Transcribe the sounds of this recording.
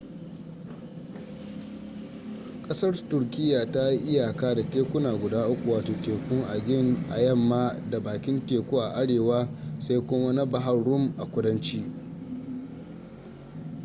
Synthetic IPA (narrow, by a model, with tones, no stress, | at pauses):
kʼɐ˦sɐ˦rtʊ˨rkʲʼɪ˦jːa˨ta˦ji˦ʔɪ˦jaː˨kaː˦da˨teː˦kʷʊ˦naː˨ɡʷʊ˨daː˦ʔʊ˦kʷu˨waː˨toː˨teː˨kʷʊ˦ŋʔa˨ɡʲɪ˦˨ŋʔa̰˨jɐ˦˨mːaː˦da˨baː˨kʲɪ˦nteː˨kʷuː˦ʔa˨ʔa˦ɽeː˨waː˦sa˦jkʷʊ˦ma˦na˦ba˨ɦa˦ɽʊ˦mʔa˨kʷʊ˦dɐ˦nt͡ʃiː˦